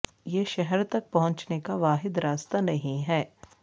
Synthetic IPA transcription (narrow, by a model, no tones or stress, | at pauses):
jeʃɛɦɛɾt̪ɐk̚pɐɦʊ̃ɲt͡ʃnekaʋaːɦɪd̪ɾaːst̪anɐɦĩɦɛː